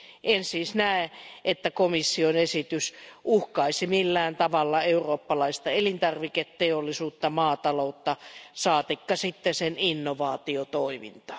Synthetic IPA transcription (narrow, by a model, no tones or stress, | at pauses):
ʔensiːsnæˑeʔet̪ːækomisːionesit̪ysʔuhkɑisimilːæːnt̪ɑʋɑlːɑeuroːpːɑlɑist̪ɑelint̪ɑrʋiket̪teolːisuːt̪ːɑmɑːt̪ɑlout̪ːɑsɑːt̪ikːɑsit̪ːeseninːoʋɑːt̪iot̪oimḭnt̪ɑ̥